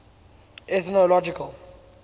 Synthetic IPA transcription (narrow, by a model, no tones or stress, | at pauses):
ɛt̪nɔlɔd͡ʒikʰal